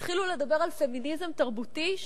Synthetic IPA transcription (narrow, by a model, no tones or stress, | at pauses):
t̪χilule̞d̪abe̞ʁalfe̞minizemt̪aʁbut̪iʃ